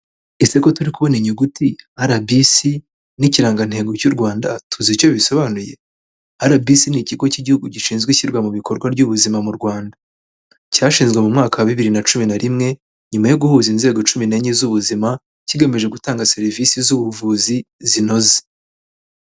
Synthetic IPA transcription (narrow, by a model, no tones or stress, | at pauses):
iseko̞tuɾikuβo̞neɲuɡutiaɾabisi | niciɾaːŋɡan̥he̞ːɡo̞cuɾɡwaːndatuzico̞βiso̞βanuje̞ | aɾabisiniciɡo̞ciɟihuɡuɟiʃiːnzɡwiçiɾɡwamuβikʰo̞ɾɡwaɾɟuβuzimamuɾɡwaːnda | caʃiːnzɡwe̞mumŋaːkawaβiβiɾinat͡ʃuminaɾimŋe̞ | ɲumajoɡuhuːzinze̞ːɡo̞t͡ʃumineɲizuβuzima | ciɡemeʒe̞ɡutaːŋɡaseɾivisizuβuvuːzizino̞ze̥